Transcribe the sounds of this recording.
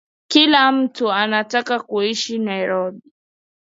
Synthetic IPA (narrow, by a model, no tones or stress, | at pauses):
kilam̩tuanatakakuiʃinaiɾɔɗi